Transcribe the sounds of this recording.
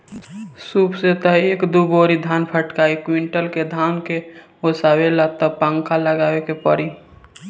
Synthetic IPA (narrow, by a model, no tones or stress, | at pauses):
suːpset̪aeːkd̪uboːɾid̪ʱaːnpʰəʈkaːikwiɳʈəlked̪ʱaːnke | osaːwelat̪əpə̃ŋkʰaləɡaːwekepəɾi